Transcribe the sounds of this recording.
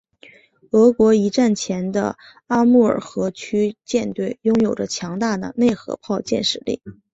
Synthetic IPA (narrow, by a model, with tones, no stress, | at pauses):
ɤ˧˥kwɔ˧˥i˧˥ʈ͡ʂa˥˩nt͡ɕʰjɛ˧˥nd̪ə̰˧ | a˥mu˥˩ə̰˞˨˩xɤ˧˥t͡ɕʰy˥t͡ɕjɛ˥˧nt̪we˥˩ɪjʊ˥ŋjo˨˩ʊʈ͡ʂə˦t͡ɕʰjɑ˧˥ŋt̪a˥˩d̪ə̰˩ne˥˩ɪxɤ̰˧˥pʰɑ˥˧ʊt͡ɕjɛ̰˥˩nʂɻ̩˥˩lḭ˥˩